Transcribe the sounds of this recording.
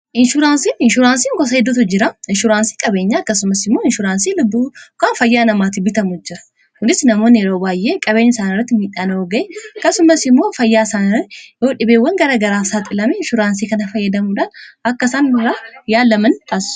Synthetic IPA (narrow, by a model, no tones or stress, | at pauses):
ʔɪnʃʊɾaːnsiːɪnʃʊɾaːnsiːŋɡɔs̬ɐɛd̪ːʊt̪ʊd͡ʒɪɾɐɪnʃʊɾaːnsi̥ːkʼɐbe̞ːɲːaːɐkːɐsʊmɐsɪmːo̞ːɪnʃʊɾaːnsiːlʊbːukaːnfɐjːaːnɐmaːt̪ɪbɪt̪ɐmʊd͡ʒɪɾɐ̥ | kʊnɪsnɐmoːnɪjɛɾo̞ːbaːjʔeːkʼɐbe̞ːɲːɐɪsaːnɪrːɐt̪ːɪmiːᶑaːnɐoːɡɐʔeːɐkːɐsʊmɐsɪmːoːfɐjːaːɪsaːnɪɐjo̞ːᶑɪbeːwːɐŋɡɐɾaːɡɐɾaːsaːt̪ʼɪlɐmeɪnʃʊɾaːnsiːkɐnɐfɐjːɐd̪ɐmuᶑaːnɐkːɐsaːnbʊɾaːjaːlːɐmɐnt̪ʰʼaːsɪ̥ʊ̥